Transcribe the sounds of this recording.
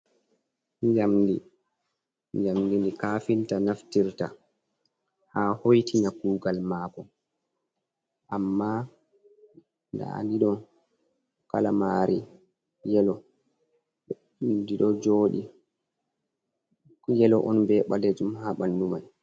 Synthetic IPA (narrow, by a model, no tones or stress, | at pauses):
jamdi | jamdinikaːfintanaftiɾta̰ | haːhojtinakuːɡalmaːkɔ | ʔamːa | nda̰ndiɗɔn | kalamaːɾʔi | jɛlɔ | diɗɔd͡ʒoːɗḭ | jɛlɔʔɔnbɛɓaled͡ʒumhaɓanːuman